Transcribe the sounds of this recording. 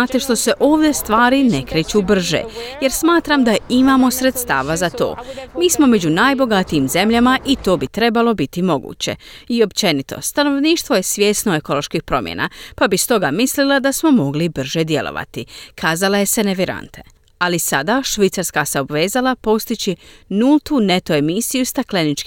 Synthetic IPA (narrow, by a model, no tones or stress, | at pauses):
at̪e̞ʃt̪o̞se̞ʔo̞ːʋd̪je̞st̪ʋaːɾine̞kɾeːt͡ɕubr̩ʒḛje̞ɾsmaːt̪ɾamd̪aimamo̞sɾe̞t̪st̪a̰ːʋazat̪o̰ːmiːsmo̞me̞d͡ʑunaːjbo̞ɡat̪iimze̞mʎamaʔit̪o̞ːbit̪ɾe̞balo̞bit̪imo̞ɡṵːt͡ɕe̞̰io̞pt͡ʃe̞nit̪o̞̰st̪ano̞ʋniːʃt̪ʋo̞je̞sʋʲje̞ːsnoe̞ko̞lˠo̞ʃkixpɾo̞̰mjʔḛna̰pabist̪o̞ɡamislilad̪asmo̞mo̞ɡlibr̩ʒed̪je̞̰lʔo̰ʋa̰t̪ikʰaːzalaje̞se̞neʋiɾa̰nt̪ʰe̞̥̰ | alisad̪aʃʋit̪saɾskaseobʋe̞ːzalapo̞st̪it͡ɕinulˠt̪une̞t̪o̞e̞misijust̪aklenit͡ʃk